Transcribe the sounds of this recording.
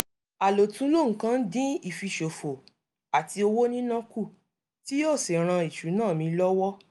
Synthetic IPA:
a˨lo˨tũ˨˦lo˦˨ŋ̩˨kã˧˦n̩˦dĩ˦i˦˨fi˧ʃo˨fo˨ | a˨ti˧o˧wo˦nĩ˦nã˦ku˦˨ | ti˦ɔ˦˨si˨ɾ̃ã˧i˨ʃu˨˦nãː˦˨mĩ˧˦lɔ˦wɔ˦

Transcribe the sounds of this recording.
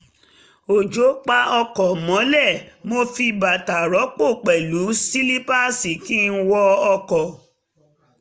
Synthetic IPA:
o˨d͡ʒo˨˦k͡pa˧ɔ˧kɔ˨mɔ̃˨˦lɛ˦˨mo˧fi˧ba˨ta˨ɾɔ˨˦k͡po˦˨k͡pɛ˨lu˨˦si˦li˦pa˦si˨ki˦n̩˦wɔ˧ɔ˧kɔ˨

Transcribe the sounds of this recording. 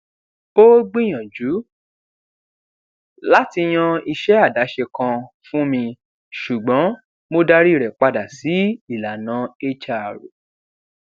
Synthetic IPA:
bo˦ɡ͡bĩ˦˨j̃ã˨d͡ʒu˨˦ | la˦ti˧j̃ã˧i˧ʃɛ˦a˦˨da˨˦ʃe˧kã˧fũ˦mĩ˧ | ʃu˨ɡ͡bɔ̃˨˦ | mo˧da˧ɾi˦˨ɾɛ˨k͡pa˧da˨si˨˦i˦˨la˨nãː˨˦e˦t͡ʃa˦˨ɾo̰˨

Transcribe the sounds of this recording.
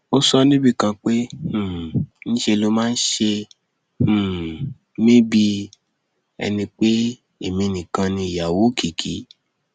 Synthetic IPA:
o˦sɔ˧nĩ˦bi˦˨kã˧k͡pe˦h̩˦˨nĩ˦ʃe˧lo˦mãː˦n̩˦ʃẽ˧˨ | mĩ˦bi˧ | ɛ̰˧nĩ˧k͡pe˦ | e˨mĩ˧nĩ˨kã˧nĩ˧i˨ja˨wo˨˦kʰi˨kʰi˨˦

